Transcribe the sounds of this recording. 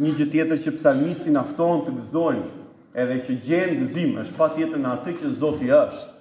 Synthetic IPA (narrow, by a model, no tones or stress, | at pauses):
ɲəd͡ʑət̪jɛt̪əɾt͡ɕəpsalmist̪inaft̪ɔɛnt̪əɡəzɔjn | ɛðɛt͡ɕəɟɛɾiɡəzimə̰ʃt̪̚pat̪jɛt̪əɾnəat̪ət͡ɕəzɔt̪iəʃt̪